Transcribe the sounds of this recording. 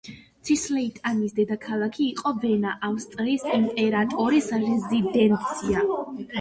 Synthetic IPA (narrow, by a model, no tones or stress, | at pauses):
t̪sʰislɛit̪ʼanisd̪ɛd̪akʰalˠakʰiːqʼɔvɛnaʔamst̪sʼlisimpʼɛɾat̪ʼɔɾisɾɛzid̪ɛnt̪sʰia